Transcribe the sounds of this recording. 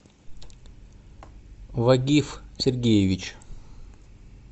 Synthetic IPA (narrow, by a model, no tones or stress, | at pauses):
vɐɡʲifsʲɪrɡʲejɪvʲɪt͡ɕ